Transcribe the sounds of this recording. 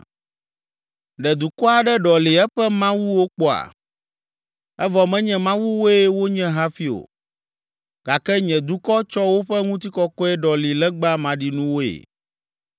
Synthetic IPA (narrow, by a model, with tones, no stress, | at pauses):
ɖɛ˨d̪u˨kɔ˦a˨ɖɛ˦ɖɔ˨li˨ɛ˦ɸɛ˦mã˦wu˦wo˦k͡pɔ˦a̰˨ | ɛ˦vɔ˨mɛ̃˦ɲɛ̃˦mã˦wu˦wo˦e˦wo˦ɲɛ̃˦ɦa˦fi˦o̰˨ | ɡ̥a˨kɛ˦ɲɛ̃˨d̪u˦kɔ˦t͡ʃɔ˦wo˦ɸɛ˦ŋũ˦t̪̬i˦kɔ˦kɔ˦ɛ˦ɖɔ˨li˨lɛ˦ɡ͡ba˦mã˨ɖi˨nũ˦wo˦ḛ˨